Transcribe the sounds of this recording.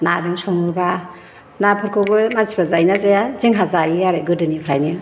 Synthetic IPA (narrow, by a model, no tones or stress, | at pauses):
nadiŋsɔŋɯɾba | napʰɯɾkʰɯbɯmansi̥bazajnazajaziŋɦazajiaɾɯɡɯdɯnipʰɾajni